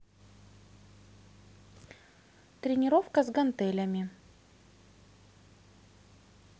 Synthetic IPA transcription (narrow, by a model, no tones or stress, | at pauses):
t̪ɾʲɪnʲɪɾofkəzɡɐnt̪ɛlʲəmʲɪ